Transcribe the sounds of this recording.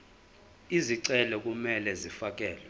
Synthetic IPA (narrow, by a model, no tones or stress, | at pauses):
iziǀɛlɛk̬ʼumɛlɛzifakʼɛːlɛ